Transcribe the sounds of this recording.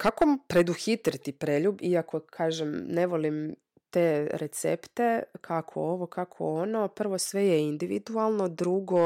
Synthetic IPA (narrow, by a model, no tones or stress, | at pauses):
kakompɾe̞d̪uxit̪ɾit̪ipɾeʎubiako̞kʰaːʒemneʋo̞lim | t̪eɾet̪sḛpt̪ekʰakʰo̰oʋo̞kakʰo̰onopr̩ʋo̞sʋe̞jeind̪iʋḭd̪ualˠno̞d̪ɾuɡo̞